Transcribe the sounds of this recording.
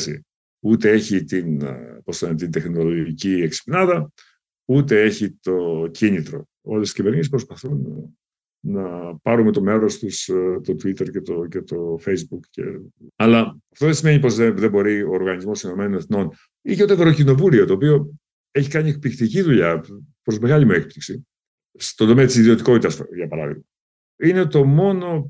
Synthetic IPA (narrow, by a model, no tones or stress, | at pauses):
sḭ | ut̪ee̞çit̪inposɐnt̪ind̪e̞xno̞lo̞ʝʝicieksi̥pinɐðɐ | ut̪e̞e̞çit̪o̞cinit̪ɾo̞̰ | olesiscive̞ɾɲispɾo̞spɐθun | nɐpɐɾume̞t̪o̞me̞ɾo̞st̪ust̪o̞t̪uit̪e̞ɾcet̪o̞ce̞t̪o̞fejzbukcḛɐlɐɐft̪oðesime̞ɲipo̞zðeðebo̞ɾioːɾɣɐnizmo̞stino̞me̞none̞θno̞n | iceot̪evɾocino̞vulio̞t̪oːpio̞ | eçikɐɲiek̚pikt̪iciðuʎɐpɾo̞zmeɣɐʎimoek̚pliksi | st̪o̞nd̪o̞meɐt̪isiðio̞t̪iko̞t̪it̪ɐsʝɐpɐɾɐ̰ðḭɣmɐ | ine̞t̪o̞mo̞no̞